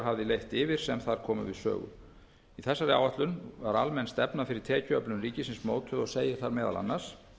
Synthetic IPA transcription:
ɦavðɪlejht̪ɪːvɪɾ̥sɛmθaɾ̥kʰɔːmʏ̰vɪ̰ðsœ̰ːɣʏ̰m | iθɛsːaɾa̰waht̪lʏnvaɾalmɛnst̪ɛpnafɪɾɪɾ̥t̪ʰɛːcʏœplʏnriːcɪsɪnsmoːwt̪ʰʏðɔɣseːjɪθaɾmɛːða̰la̰nːaɾ̥s

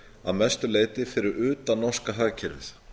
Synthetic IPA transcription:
aðmɛst̪ʏleːjt̪ɪfɪɾɪɾʏːt̪anɔ̥skaɦaːɣcʰɛɾvɪ̰θ

